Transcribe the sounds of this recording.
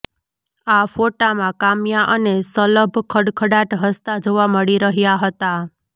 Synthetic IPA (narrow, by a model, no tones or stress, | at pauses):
afoʈamãkamjaʔənesələbʱkʰəɽkʰəɽaʈɦəst̪ad͡ʒoʋaməɽiɾəɦjaɦət̪a